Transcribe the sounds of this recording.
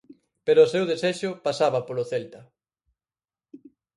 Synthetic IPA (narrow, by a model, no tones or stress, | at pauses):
peɾʊːsewðeseʃʊpasaβɐpolʊθelt̪ɐ